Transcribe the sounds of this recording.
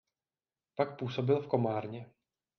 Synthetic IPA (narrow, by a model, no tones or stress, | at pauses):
pakpuːso̞bɪlfko̞maːɾɲɛ